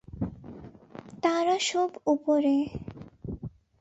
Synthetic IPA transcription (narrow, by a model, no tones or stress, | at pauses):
t̪aɾaʃɔbupoɾe